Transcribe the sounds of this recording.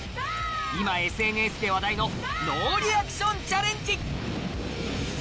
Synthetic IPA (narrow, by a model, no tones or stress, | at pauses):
imae̞sɨẽ̞ne̞sɨd̪e̞βad̪aino̞ | noːɾʲiakɯ̥ɕõ̞ɲt͡ɕaɾẽ̞ɲt͡ɕi